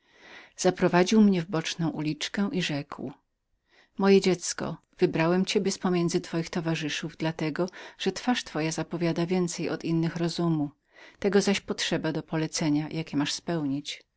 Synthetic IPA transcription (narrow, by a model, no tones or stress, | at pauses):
z̥apɾɔvad͡ʑiwmɲɛvbɔt͡ʂnɔ̃w̃ʔulʲit͡ʂkɛ̃ʔiʐɛkw | mɔjɛd͡ʑɛt̪skɔ̰ | vɘbɾawɛmt͡ɕɛbʲjɛspɔmʲjɛnd̪zɘt̪fɔjixt̪ɔvaʐɘʂuvd̪lat̪ɛɡɔʐ̥ɛt̪faʂt̪fɔjazapɔvʲjad̪avʲjɛnt̪sɛjɔ̰t̪inːɘxɾɔzumu | t̪ɛɡɔzaɕpɔtʂɛbad̪ɔpɔlɛt̪sɛɲajʔakʲɛmaʂspɛwɲit͡ɕ